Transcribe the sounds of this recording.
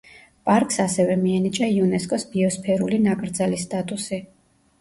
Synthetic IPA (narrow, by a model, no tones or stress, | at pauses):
pʼaɾkʼsasɛvɛmiɛnit͡ʃʼaiunɛskʼɔsbiɔspʰɛɾulinakʼɾd̪zalist̪ʼat̪ʼusi